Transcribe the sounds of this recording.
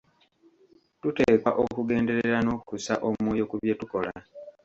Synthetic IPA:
tuteːkaʔokuɡe̞ːnde̞ɾe̞ɾano̞kukusa̰ʔomwoːjo̞kuβjetuko̞la

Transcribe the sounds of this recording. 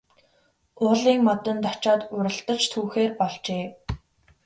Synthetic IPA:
ʊːɮiːŋmɔt̪ə̆nt̪ɔt͡ɕaːt̪ʊɾə̆ɬt̪ə̆t͡ɕt̪ʰuːxeːrpɔɮt͡ɕeː

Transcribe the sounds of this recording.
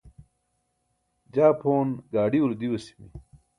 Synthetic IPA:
d͡ʑaːpʰoːnɡaːɖiuld̪iwɐsi̥mḭ

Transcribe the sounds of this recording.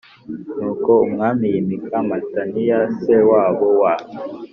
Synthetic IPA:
nukɔuŋamijimikʰamatanijasɛwaβɔwa

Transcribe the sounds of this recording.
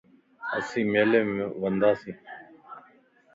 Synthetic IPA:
əsĩːmeːlẽːm̃ːʋənd̪aːsĩː

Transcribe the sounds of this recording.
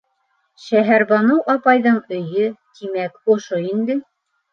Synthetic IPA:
ʃæɦæɾβɑnowʔɑpɑjðɤɴɵ̆jɵt̪ʰimækŏʃoind̪ɘ

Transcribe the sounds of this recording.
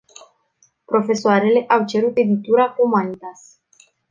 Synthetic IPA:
pɾo̞fe̞soaɾe̞le̞ʔawt͡ʃe̞ɾut̪e̞d̪it̪uɾakumanit̪as

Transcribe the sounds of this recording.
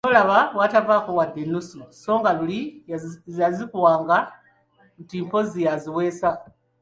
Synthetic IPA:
solaβawatavakuwad̪enususo̞ːŋɡalulizazikuwaːŋɡa | ntiːmpozijaziwesa

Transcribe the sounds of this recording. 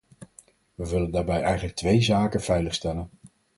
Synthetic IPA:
ʋəʋɪləndaːɹbɛjɛjχənlək̚tʋejzaːkənv̥ɛjləχstɛlən

